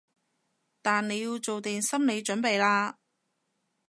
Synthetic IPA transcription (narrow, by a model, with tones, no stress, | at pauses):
t̪aː˨nne˨˧jiː˧wt͡so˨wt̪iː˨˩nsɐ˥mne˨˧jt͡ʃɵ˨˥npe˨jlaː˧